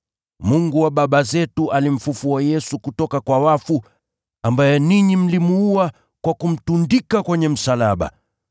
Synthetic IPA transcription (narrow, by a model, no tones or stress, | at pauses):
muŋɡuwaɓaɓazɛtuʔalim̩fufuajɛsukutɔkakwawafu | ambajɛniɲim̩limuua | kwakum̩tundikakwɛɲɛm̩salaɓa̰